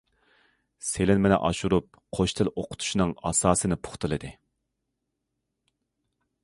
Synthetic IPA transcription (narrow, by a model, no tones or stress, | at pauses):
selɪnmenɛ̰ʔɑʃuɾup̚qʰoʃt̪ʰɪlʔoqʰʊ̥t̪ʰu̥ʃinɨŋɑ̰sɑːsɨnɪpʰʊ̥χt̪ɨlˠɨd̪ɨ